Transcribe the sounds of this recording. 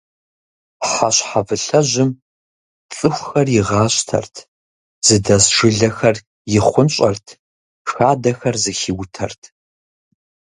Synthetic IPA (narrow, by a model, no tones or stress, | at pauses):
ħaɕħavɨɬɐʒɪm | t͡sʼɨxʷxɐrjɪʁɑːɕtʰɐ̰rtʰ | z̥ɨdɐsʂɨɮɐxɐr | jɪχʷʊnɕʼɐrtʰ | xaːdɐxɐrzɨxiwtʰɐ̰rtʰ